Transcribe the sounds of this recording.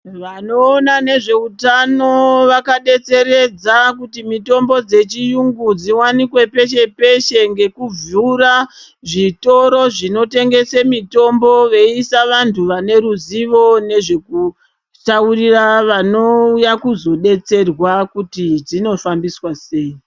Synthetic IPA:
ʋanoːnane̞ʐe̞utano̞ʋakaɗe̞t͡se̞ɾe̞d͡zakutimito̞mbo̞d͡ze̞t͡ʃijuŋɡud͡ziwanikwe̞pe̞ʃe̞pe̞ʃe̞ŋɡe̞kub͡vuɾa | ʐito̞ɾo̞ʐino̞te̞ŋɡe̞semito̞mbo̞ʋeisaʋantʰuʋane̞ɾuziʋo̞ne̞ʐe̞ku | tauriraʋano̞ujakuzo̞ɗe̞t͡se̞rwakutid͡zino̞fambiswase̞ːi

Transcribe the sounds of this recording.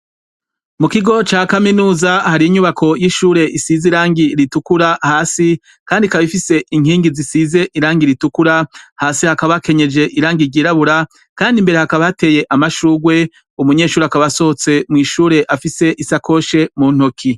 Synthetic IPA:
mukiɡo̞t͡ʃaːkaminuːzahaɾiːɲuβakʰo̞jiʃuːɾe̞ʔisiziɾaːŋɡiɾitukuɾahaːsi | kaːndikaβifise̞ʔiŋiːŋɡizisize̞ʔiɾaːŋɡiɾitukuɾahaːsihakaβake̞ɲe̞d͡ʒe̞ʔiɾaːŋɡiɾɟiːɾaβuɾa | kaːndimbe̞ɾe̞hakaβahate̞ːje̞ʔamaʃuːɡwe̞ | umuɲe̞ːʃuːɾeakaβaso̞hot͡se̞mŋiːʃuːɾe̞ʔafise̞ʔisakʰo̞ːʃe̞mun̥hokʰi

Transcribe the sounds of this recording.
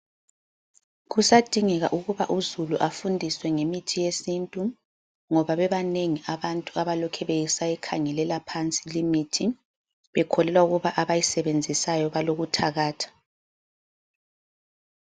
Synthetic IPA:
ɣusad̥ʱiŋɛɣa̰ʔuɣuβa̰ʔuzuluʔafundʱiswɛŋemitʰijesintʼu | ŋɔβaβɛβaneŋiʔaβantʼuaβalɔkʰɛβejisajɛkʰaŋɛlɛlapʰant͡sʼilimitʰi | βɛkʰɔlɛlwauɣuβaʔaβajisɛβend͡zʱisajɔβaloɣutʰaɣaːtʰḁ

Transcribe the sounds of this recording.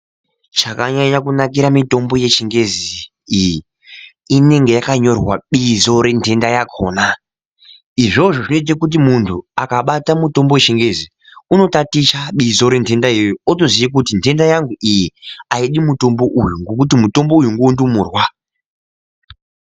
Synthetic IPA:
t͡ʃakaɲaɲakunak̬iɾamito̞mbo̞je̞ʃeŋɡe̞ziː | ji | ine̞ŋɡe̞jakaɲo̞rwaɓizo̞ɾe̞ntʰe̞ndajakʰo̞ːna | iʐo̞ʐo̞ʐinoitit̬akut̬imuntʰuakaɓatamuto̞mboweʃeŋɡe̞zi | uno̞tatiʃaɓizoɾe̞ntʰe̞ndaijootozijikutintʰe̞ndajaŋɡuʔijiaiɗimuto̞mbo̞ʔujuŋɡo̞k̬ut̬imuto̞mbo̞ujuŋɡoundumuːrwa

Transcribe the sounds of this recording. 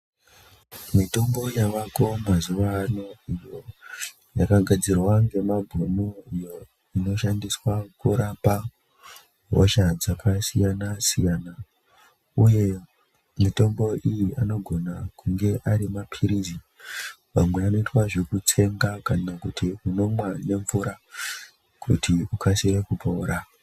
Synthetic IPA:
mito̞mbo̞jaʋako̞mazuʋanoijo | jakaɡʱad͡zirwaŋɡe̞mabʱunuijo̞ | ino̞ʃandiswakuɾapa | ɦo̰ʃad͡zakasijanasijaːna | uje̞ | muto̞mbo̞ʔijiʔano̞ɡʱo̞nakuŋɡe̞ʔaɾimapʰiɾizi | mamwe̞ano̞itwaʐe̞kut͡se̞ŋɡakanakutʰiuno̞mwane̞ɱvuɾa | kʰṵtʰiukʰasiɾekupʰouɾa

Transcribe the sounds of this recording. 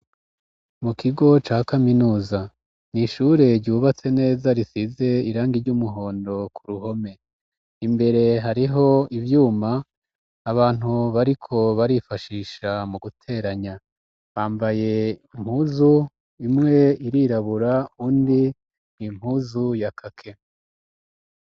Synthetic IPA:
mukʰiɡo̞t͡ʃaːkaminuːza | niʃuɾe̞ɾɟuːβat͡se̞ne̞ːzaɾisize̞iɾaːŋɡiɾɟumuɦo̞ːndo̞kʰuɾuɦo̞me̞ | imbe̞ɾe̞ɦaɾiɦo̞ivjuːmaː | βaːn̥huβaɾikʰo̞βaɾifaʃiːʃamuɡutʰe̞ɾaɲa | βaːmbaje̞im̥huːzu | imŋe̞iɾiɾaβuɾauːndi | n̥im̥huːzujakʰakʰe̞

